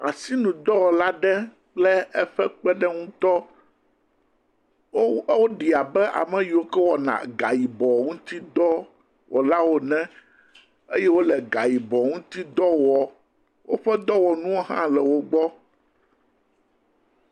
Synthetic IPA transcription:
a̰˨si˦nũ˨d̪ɔ˦wɔ˨la˦ɖɛ˦ | k͡plɛ˦ɛ˦ɸɛ˦k͡pɛ˦ɖɛ˦ŋũ˦t̪ɔ˦ | wo˦ɖi˨a˨bɛ˦ʔa̰˨mɛ̃˦ji˨wo˦kɛ˦wɔ˨nã̰˨ɡa˨ji˨bɔ˨ŋũ˦t̪i˦d̪ɔ˦ | wɔ˨la˦wo˦nɛ̃˦ | e˦jɛ˦wo˦lɛ˨ɡa˨ji˨bɔ˨ŋũ˦t̪i˦d̪ɔ˦wɔ˨ | wʔo˦ɸɛ˦d̪ɔ˦wɔ˨nũ˦wo˦ɦã̰˦lɛ˨wo˦ɡ͡bɔ˦

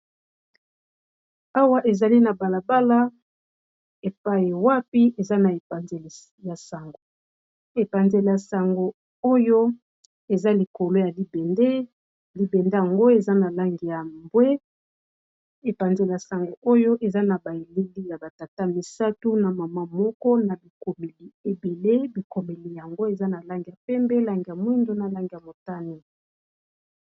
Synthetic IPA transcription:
a˦wa˦ʔe˨za˨li˦na˨ba˨la˨ba˦la˦ | e˨pa˦ji˨wa˦pi˦ʔe˨za˦na˨e˨a˨nze˨l | ja˨sa˨ŋɡo˨ | e˨pa˨nze˨le˨ja˨sa˨ŋɡo˨ | o˦jo˦ | e˨za˦li˨ko˨lo˦ja˨li˨be˨nde˦ | li˨be˨nde˦ja˨ŋɡo˦e˨za˦na˨la˦ŋɡi˨ja˨mbwe˦ | e˨pa˨nze˨la˨sa˨ŋɡo˨ʔo˦jo˦ʔe˨za˦na˨ba˨e˨li˦li˦ja˨ba˨ta˨ta˦mi˨sa˦tu˦na˨ma˨ma˦mɔ˦kɔ˦na˨bi˨ko˨me˨li˨e˨be˨le˦bi˨ko˨me˨li˨ja˨ŋɡo˦e˨za˦na˨la˦ŋɡi˨ja˨pɛ˦mbɛ˦la˦ŋɡi˨ja˨mwi˦ndo˦na˨la˦ŋɡi˨ja˨mo˨ta˦ni˦

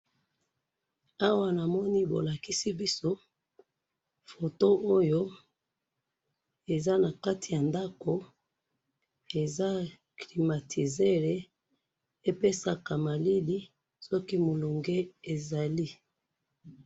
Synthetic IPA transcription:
a˦wa˦na˨mɔ˦ni˦bo̰˨la˨ki˦si˦bi˦so˦ | fo˨to˦ʔo˦jo˦ | e˨za˦na˨ka˦ti˨ja˨nda˦ko˨ | e˨za˦ | kli˨ma˨tʰi˨ze˦ʁe˨ | e˦pe˦sa˨ka˨ma˨li˦li˦ | sɔ˦ki˦mo˨lo˨ŋɡe˦e˨za˨li˦

